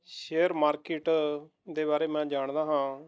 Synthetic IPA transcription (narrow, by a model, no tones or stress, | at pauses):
ʃeːəɾmaːɾkɪʈ | d̪eːbaːɾeːmɛ̃ːd͡ʒaːɳd̪aːɦãː